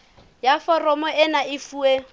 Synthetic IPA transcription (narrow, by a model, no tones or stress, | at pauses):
jafɔrɔmɔɛnaɪfuːe